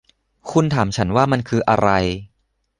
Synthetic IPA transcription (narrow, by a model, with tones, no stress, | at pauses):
kʰu˧nt̪ʰaː˩˦mt͡ɕʰa˦˥nwaː˥˩ma˧nkʰɯː˧ʔa˧ɾa˧j